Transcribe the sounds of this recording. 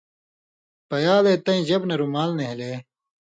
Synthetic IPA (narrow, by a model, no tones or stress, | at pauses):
pɐjaːlet̪ɐ̃ĩʑɐbnɐɾumaːlneɦileː